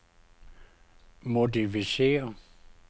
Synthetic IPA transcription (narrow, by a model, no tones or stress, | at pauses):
modifisḛːɐ